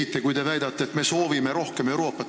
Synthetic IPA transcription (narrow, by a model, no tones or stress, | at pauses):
it̪ːˑekujd̪e̞væjd̪̥ɑt̪ːeːt̪me̞so̞ːvime̞ɾo̞hke̞me̞wɾo̞ːpːɑt̪ː